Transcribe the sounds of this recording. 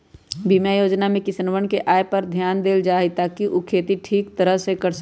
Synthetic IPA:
bimjajoːd͡ʒnamẽkɪsənʋəɳkeʔaːepɐɾd̪ʱjaːnd̪eːld͡ʒaːɦit̪aːkiʔukʰeːt̪iʈʰiːkt̪əɾəɦsekɐɾs

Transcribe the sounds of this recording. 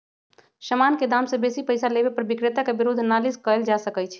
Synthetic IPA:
ʃəmanked̪amsẽbesipəjsalebepəɾbikɾet̪akebiɾud̪ʱːnaliskəjld͡ʒasəkət͡ʃʰ

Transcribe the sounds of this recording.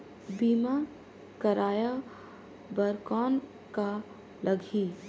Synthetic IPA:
biːma | kəɾaːja | bəɾkɔːn | ka | ləɡʱi

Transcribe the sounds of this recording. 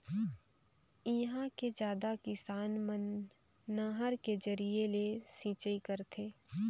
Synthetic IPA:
iɦãked͡ʒjaːd̪akɪsaːnmənː | əɦəɾked͡ʒəɾielesĩːt͡ʃəikəɾt̪ʰeː

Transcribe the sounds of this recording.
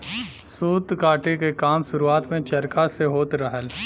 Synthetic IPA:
suːd̪kaːʈekekaːmʃʊɾuaːt̪mẽt͡ʃɐɾkaseɦoːt̪ɾəɦəl

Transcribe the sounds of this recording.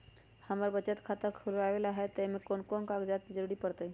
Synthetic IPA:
həməɾbət͡ʃət̪kʰat̪əɾkʰulʋaʋelaɦet̪emekonkonkaɡd͡ʒat̪̚kid͡ʒəɾuɽipəɾt̪əj

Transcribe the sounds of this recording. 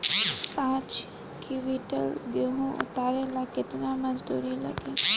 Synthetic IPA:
pãːt͡ʃ | kiʋiːʈəlɡɪɾɦũʔʊ̰t̪aːɾelakɪt̪namɐd͡ʒd̪ṵːɾilɐ̰ɡeː

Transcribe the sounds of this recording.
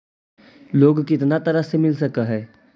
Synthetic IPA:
loːɡkɪt̪nat̪əɾəsemɪlsəkaɦɛː

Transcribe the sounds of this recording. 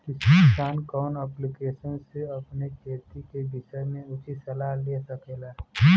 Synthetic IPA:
kɪsesaːnkɔːnɛplikeːʃənseɐpnekeːt̪ikebɪʃəmẽʊt͡ʃisəlalesəkeːlaː

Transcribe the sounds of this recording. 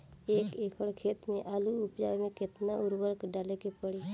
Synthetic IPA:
eːkeːkʰəɽkʰeːt̪mẽʔaːluʊpjamẽkɪt̪naʊɾbəɾkɖaːlekepəɽiː

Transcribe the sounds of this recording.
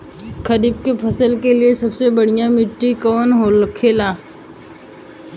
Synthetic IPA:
kʰɐɾɪb̚kepʰɐsəlkeliesɐbsebɐɽ̤ijãmɪʈːikɔːnɦolkʰeːlaː

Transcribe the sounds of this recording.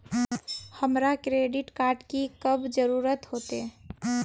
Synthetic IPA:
həmɾakɾeɖiʈkaɾɖkikəbʱd͡ʒəɾuɾət̪hot̪e

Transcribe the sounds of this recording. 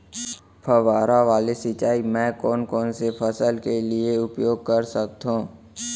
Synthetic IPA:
pʰəʋaːɾaʋaːlesɪt͡ʃaːimɛ̃ːkɔːnkɔːnsepʰəsəlkelieʊpjoːɡ̚kəɾsək̚t̪ɦõː

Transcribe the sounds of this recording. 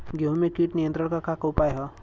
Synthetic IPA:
ɡeɦũmekiːʈnijənt̪ɾəɽ̃ɳkakakəwpajɦə

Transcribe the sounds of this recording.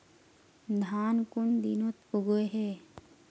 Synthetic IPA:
d̪ʱaːnkʊɳd̪inot̪puɡoeɦe

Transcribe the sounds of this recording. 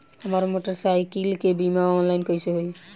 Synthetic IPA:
amaɾmoʈəɾsajkilkebimaɔnlajnkɔjseɦoj

